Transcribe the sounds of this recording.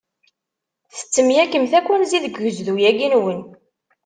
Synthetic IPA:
θə̥t͡sːəmjækːəmθækːænziðəɡːəzðujæɡinwən

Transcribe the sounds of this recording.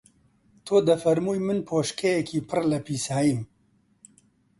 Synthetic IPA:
t̪ʰoːd̪ɐfɐɾmuːjmɨnpʰoːʃkʰɛjɛkʰiːpʰɨrlɐpʰiːsaːjim

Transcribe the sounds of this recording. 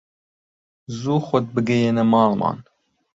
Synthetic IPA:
zuːxɔd̪̚bɨɡɛjenɐmɑːlmɑ̰ːn

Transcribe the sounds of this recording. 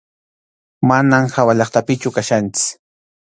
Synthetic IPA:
manamhawaʎɑχt̪apɪt͡ʃʊkaʃant͡ʃɪ̥

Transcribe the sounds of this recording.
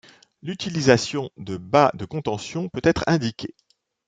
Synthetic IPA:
lyt̪ilizasjɔ̃d̪əbad̪əkɔ̃t̪ɑ̃sjɔ̃pøt̪ɛt̪χɛ̃d̪ikʲʰe

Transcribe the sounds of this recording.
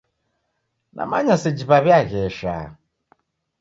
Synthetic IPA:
na̰ma̰ɲased͡ʒiβaβjaɣɛʃa̰

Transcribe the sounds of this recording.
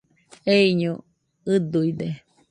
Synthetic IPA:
eiɲu | ɨd̪uid̪e

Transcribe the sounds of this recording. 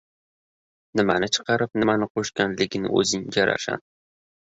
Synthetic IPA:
nɪmanɪt͡ʃʰɨ̥qʰɑɾɪp̚nɪmanɪqʰoʃkʲanlɪɡʲɪnɪ̰ɵ̰zɪŋjaɾa̰ʃa̰n

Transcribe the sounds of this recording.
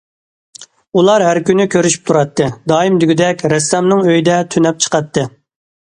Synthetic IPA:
ulˠɑɾɦæɾkʲynːykʲʰøɾyʃy̥p̚t̪ʰuɾɑt̪ːɨd̪ɑːimd̪yɡʲyd̪ɛkʲɾɛsːɛmnɨŋøjd̪ɛt̪ʰynɛp̚t͡ʃʰə̥qɑt̪ːɨ

